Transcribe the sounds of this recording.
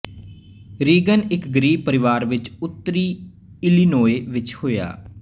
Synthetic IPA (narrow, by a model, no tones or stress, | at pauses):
ɾiːɡənɪkɡəɾiːb̚pəɾɪʋaːɾʋɪt͡ʃʊt̪ːəɾiː | ɪlinoːeːʋɪt͡ʃhoːja̰ː